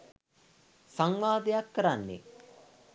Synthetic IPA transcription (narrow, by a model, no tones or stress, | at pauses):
saŋʋaːd̪ejakːəɾanːḛ